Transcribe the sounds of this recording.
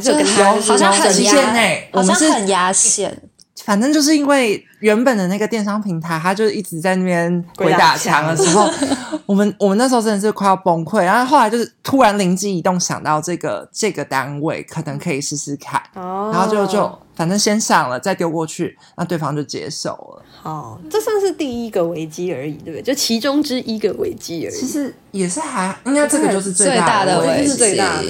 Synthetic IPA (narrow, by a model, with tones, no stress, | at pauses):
t͡ɕo˥˧˥i˧˥ɛ˥˧ne˥˩ɪwɔ˨˩mə̃˦nʂɻ̩˥˨˧ɛ̰˥˨ | fa˨˩nt̪ə˥ŋt͡ɕjʂ̬ɻ̩˥˩i˥nwe˥˩ɪ | ɥɛ˧˥npə˨˩nd̪ə˩na˥˩ɡə˩t̪jɛ˥˩nʂɑ˥ŋpʰi˧˥ŋt̪ʰa˧˦ɪt̪a˥t͡ɕjo˥˧ʊʂ̩˥˩i˥˩t͡sɻ̩˧˥t͡sa˥˧ɪna˥˩mjɛ˥˧˩nxwe˧˥ɪt̪a˨˩t͡ɕʰjɑ˧˥ŋd̪ə˧ʂɻ̩˧˦˥xo˥˩wɔ˨˩mə˦nwɔ˨˩mə˦na˥˩˧o˥˧ʈ͡ʂə˥˧ʂɻ̩˥˧kʰwa˥˧ɪɑ˥˩po˥ŋkʰwe˥˩ɪna˥xo˥˩a˧˦ɪt͡ɕjo˥˧ʂ̩˥˩t̪ʰu˦˥ɻa˧˦nli˧˥ŋt͡ɕi˥˩i˧˥t̪o˥˩ŋɕjɑ̰˨˩ŋt̪ɑ˥˧ʊʈ͡ʂɤ˥˩ɡə̰˩ʈ͡ʂɤ˥˩ɡə˩t̪a˦˥nwe˥˩ɪkʰə˨˩nə˧˦ŋkʰɤ˧˥i˨˩ʂɻ̩˥˧sɹ̩˧˥kʰa˨˩˦ɻa˧˥xo˥˧ʊt͡ɕjo˥˧ʊt͡ɕjo˥˩ʊfa˨˩nʈ͡ʂə˥ŋɕjɛ˥nɕjɑ˨˩ŋlə˩t͡sa˥˩ɪt̪jo˥˧ʊkwɔ˥˧t͡ɕʰy˥˩na˥˧t̪we˥˩ɪfɑ˥˦ŋt͡ɕjo˥˩ʊt͡ɕjɛ̰˧˥ʂo̰˥˩ʊlə̰˩˨˩ʈ͡ʂɤ˥˧swa˥˧ŋʂɻ̩˥˧t̪i˥˩i˦˥ɡə˨we˧˥ɪt͡ɕi˥ə˞˧˦i˨˩t̪we˥˩˥jo˥˩t͡ɕʰi˧˥ʈ͡ʂʊ˥ŋʈ͡ʂɻ̩˥ʔi˧˥ɡə˨wḛ˧˥ɪt͡ɕi˥ə̰t͡ɕʰi˧˥ʂɻ̩˧˥˩ | jɛ˨˩ʂɻ̩˥˩xa˧˥ɪi˥ŋa˥˧ʈ͡ʂɤ˥˩ɡə˩˧t͡ɕjo˥˧ʊʂ̬̩˥˧t͡swe˥˧e˥˧a˥˧a˥˩d̪ə˨e˥˧˥w̪a̰˥˩